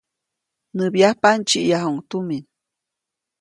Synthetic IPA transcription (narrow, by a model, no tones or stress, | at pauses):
nɨbjahpant͡ʃiʔjaɦuŋt̪umin